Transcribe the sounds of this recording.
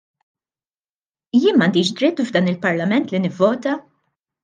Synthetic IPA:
jɪːnmɐnd̪iːʃd̪ɾɪt̪ːvd̪ɐːnɪlpɐɾlɐmɛnt̪lɪnɪvːɔːt̪ɐ

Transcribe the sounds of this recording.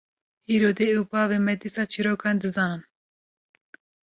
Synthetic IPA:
iːɾoːd̪eupɑːvemɛt̪isɑːt͡ʃʰiɾoːkʰɑnd̪ɨzɑːnɨn

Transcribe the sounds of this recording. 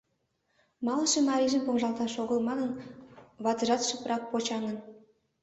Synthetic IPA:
mɑlˠɤ̆ʃɤ̆mɑɾʲiʒə̆mpoŋʒɑlˠt̪ɑʃoɣɤ̆lˠmɑnɤ̆nvɑt̪ɤ̆ʒɑt̪ʃə̆pɾʔɑk̚pot͡ɕɑŋɤ̆n

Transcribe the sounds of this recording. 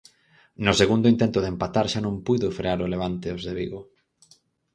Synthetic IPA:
nʊseɣund̪ʊint̪ent̪ʊðempat̪aɾʃanõmpujðʊfɾeaɾʊleβ̞ant̪eozðeβiɣo

